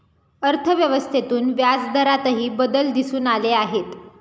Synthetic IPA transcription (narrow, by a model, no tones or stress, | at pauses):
əɾt̪ʰəʋjəʋəst̪ʰet̪uːnʋjad͡zd̪ʱəɾat̪əɦiːbəd̪əld̪isuːnaleaɦet̪